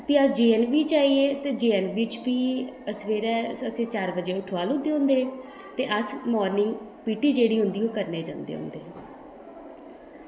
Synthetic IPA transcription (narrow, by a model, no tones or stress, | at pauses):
t̪eːəd͡ʒiːɛːnʋiːt͡ʃaːiːeːt̪eːd͡ʒiːɛːnbiːt͡ʃpiːəsʋeːɾɛːəsẽːt͡ʃaːɾbəd͡ʒeːʊʈʰʋaːlʊd̪eːɦʊ̃nd̪eː | t̪eːʔəsmɔːɾnɪŋɡpiːʈiːd͡ʒeːɽiːɦʊnd̪iːoːkəɾneːd͡ʒã̰ːnd̪ḛːɦʊ̰nd̪eː